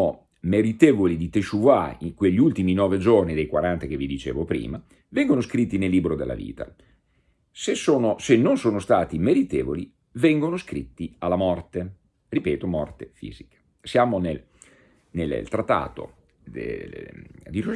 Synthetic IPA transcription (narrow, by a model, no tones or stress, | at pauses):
o | meɾit̪eːvolid̪it̪eʃuvaiŋkweʎːiult̪iminɔːved͡ʒornid̪ejkwaɾant̪ak̟evid̪it͡ʃḛːvopɾḭːma | vɛŋɡonoskɾit̪ːinelːiːbɾod̪elːa̰vḭːt̪a̰ | sesːoːnosenːonsoːnost̪aːt̪imeɾit̪eːvoli | vɛŋɡonoskɾit̪ːialːamɔrt̪e | ripɛːt̪omɔrt̪efḭːzikḁ | sjaːmonel | nel̰lt̪ɾat̪ːa̰ːt̪o̰ | d̪̰ | d̪i